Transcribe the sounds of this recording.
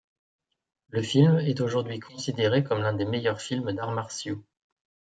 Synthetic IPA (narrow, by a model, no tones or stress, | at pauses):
ləfilmɛt̪oʒuʁd̪ɥikʰɔ̃sid̪eʁekɔmlɛ̃d̪emejœʁfilmd̪aʁmaʁsjo